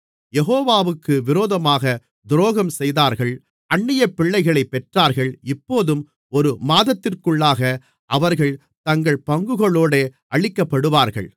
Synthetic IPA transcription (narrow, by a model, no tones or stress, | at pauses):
jɛɣoːʋaːʋɯkːɯʋɪɾoːðɐmaːɣɐ | d̪ɾoːɣɐmsɛjðaːɾɣɐɭ | ɐɳːɪjɐpːɪɭːɐɪɣɐɭɐɪpːɛʈraːɾɣɐɭɪpːoːðɯm | ɔɾɯmaːðɐt̪ːɪrkɯɭːaːɣɐ | ʔɐʋɐɾɣɐɭ | t̪ɐŋɡɐɭpɐŋɡɯɣɐɭoːɽeːʔɐɭɪkːɐpːɐɽɯʋaːɾɣɐ̰ɭ